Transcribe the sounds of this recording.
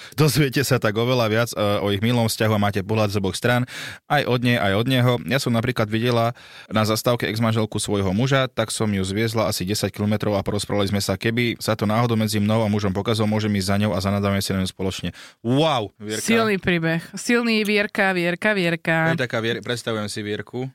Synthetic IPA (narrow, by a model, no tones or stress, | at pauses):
d̪ɔzʋɪɛcɛsat̪aɡɔʋɛlaʋɪad͡zɔiɣmilɔmfscaɦuamaːcɛpɔɦlad̪zɔbɔxst̪ɾaːnʔajʔɔd̪ɲɛjʔajɔd̪ɲɛɦɔjasɔmnap̬ɾiːklad̪ʋiɟɛla | nazast̪aʊkɛɛɡzmanʒɛlkusʋɔjɦɔmuʒat̪aksɔmjuzʋɪɛzlaasiɟɛsackilɔmɛt̪ɾɔʊapɔɾɔspɾaʋalizmɛsakɛbisat̪ɔnaːɦɔd̪ɔʊmɛd͡zimnɔʊamuʒɔmpɔkaziɔlɔmʊɔʒɛmiːzzaɲɔʊazanaːd͡zamɛsinaɲɔʊspɔlɔt͡ʃɲɛaʊʋɪɛɾksilniːpɾiːbɛxsilˠniːʋɪɛɾkaʋɪɛɾkaʋɪɛɾkat̪akaːʋɪɛɾpɾɛt̪st̪aʋujɛmsiʋɪɛɾku